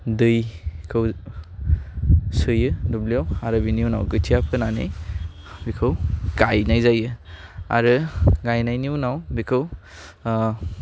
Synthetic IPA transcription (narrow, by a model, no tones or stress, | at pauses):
dɯjkʰɯw | sɯjɯdublijawaɾɯbiniuwna̰wkɯtʰijapʰɯnanḭj | bikʰɯwɡajnajzajɯa̰ɾɯɡajnajniunawbikʰɯw